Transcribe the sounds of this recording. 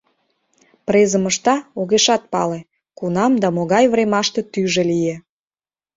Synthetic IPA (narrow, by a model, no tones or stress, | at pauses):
prezəməʃt̪ɑoɣeʃɑt̪̚pɑle | kunɑmd̪ɑmoɣɑjvremɑʃt̪et̪yʒelije